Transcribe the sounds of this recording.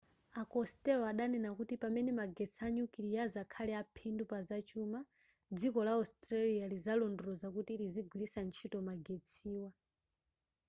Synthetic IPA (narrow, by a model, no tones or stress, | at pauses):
akɔstɛlɔaɗanɛnakutipamɛnɛmaɡɛt͡sʰiaɲukiɾijazakʰalɛapʰindupazat͡ʃuma | d͡zikɔlaɔstɾalializalɔndɔɾɔzakutiɾiziɡwilisant͡ʃʰitɔmaɡɛt͡sʰiːwa